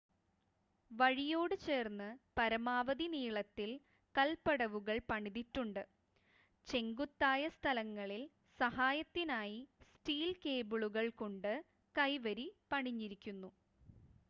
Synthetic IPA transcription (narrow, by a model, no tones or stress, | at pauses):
ʋɐɻijo̞ːɽɨt͡ɕe̞ːrnːɨpɐɾɐmaːʋɐðiniːɭɐt̪ːil | kɐlpɐɽɐʋuɣɐɭpɐɳiðitːuɳɖɨ | t͡ɕe̞ŋɡut̪ːaːjɐst̪ʰɐlɐŋːɐɭil | sɐɦaːjɐt̪ːinaːjisʈiːlke̞ːbuɭuɣɐɭkoɳɖɨ | kɐjʋɐɾipɐɳiɲːiɾikʲːunːu